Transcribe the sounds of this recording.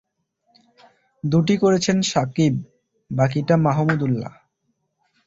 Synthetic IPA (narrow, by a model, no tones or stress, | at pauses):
d̪uʈikoɾet͡ɕʰenʃakib̚ː | ak̬iʈamaɦomud̪ulːa̰